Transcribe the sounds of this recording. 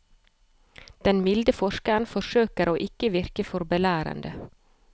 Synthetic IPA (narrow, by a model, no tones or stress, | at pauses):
d̪̥ɛnmɪld̪əfɔʃkəɾnfɔʃøːkəɾoːʔɪkəʋɪɾkəfɔɾbɛlæːɾə̰nd̪ə